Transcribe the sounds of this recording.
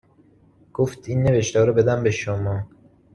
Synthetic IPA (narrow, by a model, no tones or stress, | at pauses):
ɡ̥oft̪ʰinːeveʃt̪æɾɔbed̪æmbeʃomɒː